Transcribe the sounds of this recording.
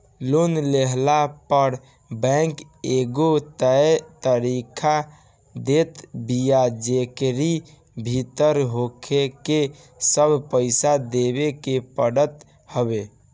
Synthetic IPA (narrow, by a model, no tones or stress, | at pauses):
lonleɦlapəɾ | bɛ̃ŋk | eɡot̪ət̪əɾikʰa | d̪et̪bijad͡ʒekɾi | bʱit̪əɾɦokʰeke | səbʱpəɪsad̪eβekepəɽət̪ | həbe